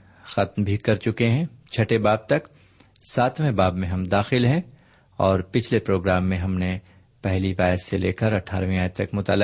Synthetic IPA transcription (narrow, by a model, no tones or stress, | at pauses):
xɐt̪mbʱikɐɾt͡ʃʊkeɦɛ̃t͡ʃʰɐʈebaːb̚t̪ɐk | saːt̪ʰmẽbaːbmẽɦɐmd̪aːxɪlɦɛ̃ | ɔːɾpɪt͡ʃʰlepɾoːɡɾaːmːẽɦɐmne | pɛɦlibaːjəsːelḛːkəɾɐʈʰa̰ːɾʋĩaːjt̪ɐkmʊt̪a̰ːlːɪ